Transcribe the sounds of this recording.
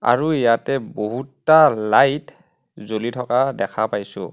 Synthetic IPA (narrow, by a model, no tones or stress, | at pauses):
a̰ɹuijatɛboɦutːalajt | zolitʰɔkadɛkʰapajsʊ̰̃